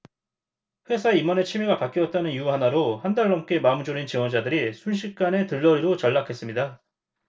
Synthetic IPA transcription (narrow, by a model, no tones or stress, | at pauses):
ɸwe̞sʰaeimʌne̞t͡ɕʰimiɡapak͈iʌt̚t͈anɯnijuɦanaɾohandaɭːʌmk͈e̞mamud͡ʑoɾint͡ɕiwʌnd͡ʑadɯɾisʰunɕ̬ʰik̚k͈ane̞tɯɭːʌɾiɾot͡ɕʌɭːakʰe̞s͈ɯmɲida